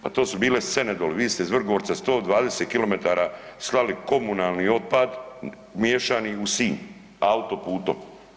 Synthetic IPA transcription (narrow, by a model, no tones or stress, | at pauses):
pa̰t̪o̞ːsubiːlese̞ned̪oːleʋiːst̪eizʋr̩ɡoɾt̪ast̪o̞ːd̪ʋaːd̪eset̪̚kilo̞met̪aːɾaslaliko̞munaːlˠnio̞d̪̚pad̪ | mjeːʃaːniusiːn | aut̪o̞puːt̪o̰m